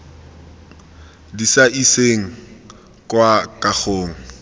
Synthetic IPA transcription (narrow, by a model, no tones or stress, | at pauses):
disaʔiseŋ̩ | kʼwakʼak͡xoːŋ̩